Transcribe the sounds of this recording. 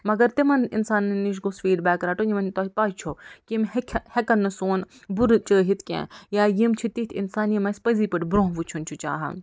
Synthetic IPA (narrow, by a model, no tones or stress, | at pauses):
mɐɡɐɾt̪imɐninsaːnniʃ̬ɡosfiːɖbaːkɾaːʈonimɐnt̪oːɦipaːt͡ʃʰokimhkʲʰhekɐnːɨsoːn | buɾt͡ʃəːɦit̪ʰkʲḛ̃ːjaːjimt͡ʃʰit̪it̪ʰinsaːnimɐspɐziːpɐʈbɾõːɦʋut͡ʃʰunt͡ʃʰut͡ʃa̰ːɦɐ̰